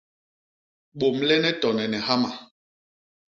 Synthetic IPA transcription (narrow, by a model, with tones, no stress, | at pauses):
ɓo˨mlɛ˦nɛ˦tɔ˨nɛ˨nɛ˨ha˦ma˨